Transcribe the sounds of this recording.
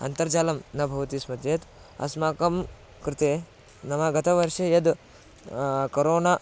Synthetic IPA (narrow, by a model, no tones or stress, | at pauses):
ɐ̰nt̪ɐɾd͡ʒaːlɐmnɐbʱɐʋɐt̪ismɐd̪jeːt̪ | ɐ̰smaːkɐm | kɾɪt̪eː | nɐmɐɡɐt̪ʰɐʋɐɾʃɐjɐd̪ | kɐɾoːna